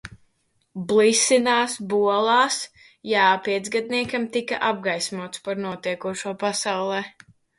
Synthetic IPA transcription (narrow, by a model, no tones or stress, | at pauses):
blˠisinaːsbuɔlˠaːs | jaːpiɛt̪zɡad̪̚niɛkamt̪ika̰ʔab̚ɡajsmuɔt̪spaɾnuɔt̪iɛkuɔʃuɔpasawlˠɛː